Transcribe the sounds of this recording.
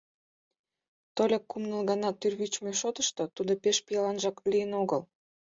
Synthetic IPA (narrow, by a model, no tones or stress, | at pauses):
t̪olʲɑkːumnəlɣɑnɑt̪ːyrβyt͡ɕmeʃot̪ə̥ʃt̪ot̪ud̪opeʃpijɑlɑnʒɑklijənoɣəl